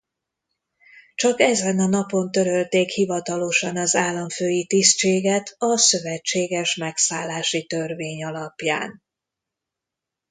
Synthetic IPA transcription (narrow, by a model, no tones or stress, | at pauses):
t͡ʃɒkɛzɛnɒnɒpo̞nt̪ø̞ɾølt̪eːkhivɒt̪ɒlo̞ʃɒnɒzaːlːɒɱføːjit̪ist͡ʃeːɡɛt̪ʰɒsøvɛt͡ʃːeːɡɛʃmɛksaːlːaːʃit̪ørveːɲɒlɒpja̰ːn